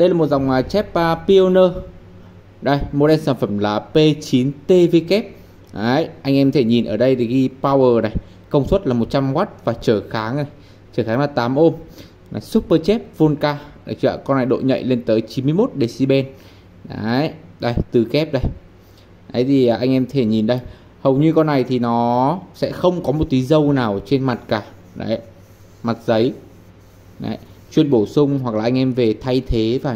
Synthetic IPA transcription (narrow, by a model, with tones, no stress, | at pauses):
ɗə˧jlaː˨˩mo˨˩t̚za˨˩wŋ͡mʔaː˨˩t͡ɕɛ˦˥p̚əː˨pi˧o˧nəː˧ | ɗə˧˩jmo˨˩ɗɛ˧nsaː˧˩nfə˧˩mlaː˨˩pe˧t͡ɕi˨˦nt̪e˧ve˧kɛ˦˥p̚ | ʔaː˨˦jʔa˧jŋ̟ʔɛ˧mt̪ʰe˧˩ɲi˨˩nʔəː˧˩ɗə˧jt̪ʰi˨˩ɣi˧paː˧wəː˨˩na˨˩j | kə˧wŋ͡mswə˦˥t̚laː˨˩mo˨˩t̚t͡ɕa˧mɣa˦˥t̚vaː˨˩t͡ɕəː˧˩xaː˨˦ŋna˨˩j | t͡ɕəː˧˩xaː˨˦ŋlaː˨˩t̪aː˨˦mʔo˧m | na˨˩jswu˦˥p̚pəː˧t͡ɕɛ˦˥p̚vo˧nkaː˧ɗa˧˩t͡ɕa̰ː˧˨˩kɔ˧nːa˨˩jɗo̰˧˨ɲə̰˧˨jle˧nt̪əː˨˦jt͡ɕi˨˦nmɨ˧jmo˦˥t̚ɗe˧˨˩si˧ɓɛ˧n | ɗa˨˦ɗə˧˩jt̪ɨ˨˩kɛ˦˥p̚ɗə˧˩j | ɗə̰˨˦jt̪ʰi˨˩ʔːʔa˧jŋʔɛ˧mt̪ʰe˧˩ɲi˨˩nɗə˧j | hə˨˩wɲɨ˧kɔ˧nːa˨˩jt̪ʰi˨˩nɔ˨˦sɛ̰˧˥xə˧wŋ͡mkɔ˨˦mo˨˩t̚t̪i˨˦zə˧wnaː˨˩wt͡ɕe˧nma˨˩t̚kaː˧˩ | ɗa̰˨˦j | ma˨˩t̚zə˨˦j | na̰˨˦jt͡ɕwi˧ənɓo˧˩sʊ˧ŋ͡mɦwa˨˩k̚aː˨˩ʔa˧jŋ̟ʔɛ˧mve˨˩t̪ʰa˧jt̪ʰe˨˦vaː˨˩